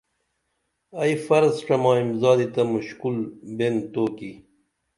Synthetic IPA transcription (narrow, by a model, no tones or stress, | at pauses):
aifɐɾzʈ͡ʂɐmɑːimzɑːd̪it̪ɐmuɕkulbent̪oːki